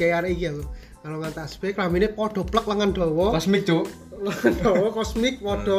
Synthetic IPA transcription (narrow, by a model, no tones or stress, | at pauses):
ejaɾeikiaku | kaloŋant̪asb̥ekɾaminepɔɖ̪̥ɔ̤plək̚ləŋand̪̥ɔ̤wɔkɔsmik̚d͡ʒ̥o | ləŋanɖɔwɔkɔsmɪk̚pɔɖ̪̥ɔ̤